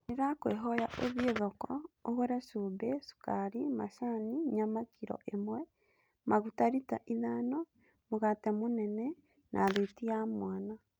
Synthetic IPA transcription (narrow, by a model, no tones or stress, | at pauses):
neɾakweɦɔjaʔeβjeðɔkɔoɣoɾaʃubɛsu̥kaɾimaʃaniɲamakʰiɾɔ̰ʔemwɛ | maɣutaɾita̰ʔiðano | muɣatemunɛnɛ | nʔaðetiamwaːna